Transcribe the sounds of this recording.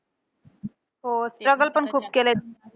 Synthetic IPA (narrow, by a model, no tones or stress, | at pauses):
ɦosʈɾəɡəlpəɳkʰuːpkelet̪